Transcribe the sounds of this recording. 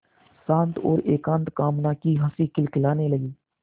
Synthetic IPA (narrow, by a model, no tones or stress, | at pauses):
sãːnt̪oːɾeːkãːnt̪kaːmnaːkiːɦaːsiːkɪlkɪlaːneːləɡiː